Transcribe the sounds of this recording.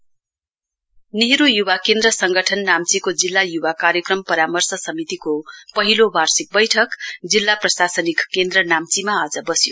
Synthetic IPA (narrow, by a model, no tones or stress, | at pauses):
niɦɾujuwakend̪rʌsʌŋɡʌʈʰʌnːamt͡sikod͡zilːajubakaɾjʌkrʌmpʌɾamʌrsʌsʌmit̪ikopʌɦilobʱarsik̚bʌjʈʰʌkd͡zilːaprʌsasʌnikːend̪rʌnamt͡simaad͡zʌbʌsjo